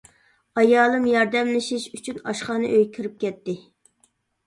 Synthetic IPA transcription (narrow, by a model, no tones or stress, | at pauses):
ɑjɑːlˠɨmjɑɾd̪ɛmlɪʃiʃyt͡ʃʰynɑ̰ʃχɑːnɨʔøjkʲʰiɾɪp̚kʲɛt̪ːɪ